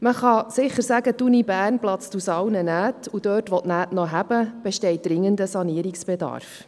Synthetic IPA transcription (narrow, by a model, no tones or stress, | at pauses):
məχɑsɪχəɾsæɡətunibæːrnplɑt͡stusɑwnənæːtud̥øːtʋɔtnæːtnɔɦæb̥əb̥ɛʃtɛɪt̚d̥ɾɪŋːəndəsɑniəɾiksb̥edɑ̰rf